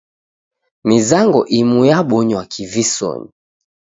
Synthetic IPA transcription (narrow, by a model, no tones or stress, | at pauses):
mizaŋɡɔʔimujaɓɔɲwakʰivisɔ̰ɲḭ